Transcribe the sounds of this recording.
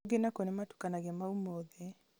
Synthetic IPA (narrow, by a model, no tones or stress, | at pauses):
ɡenakonɛmatu̥kanaɡɛmaumoðɛ